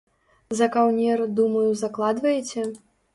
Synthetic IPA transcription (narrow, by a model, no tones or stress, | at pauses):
zɐkawnʲɛrd̪umɐjuzɐklˠad̪vɐjɛt͡sʲɛ